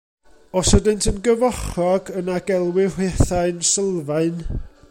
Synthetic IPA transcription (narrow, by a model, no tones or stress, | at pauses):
ɔsədɪntʰənɡəvɔχɔɡənaɡɛlˠwɪr̥wɛθaɨnsəlˠvaɨn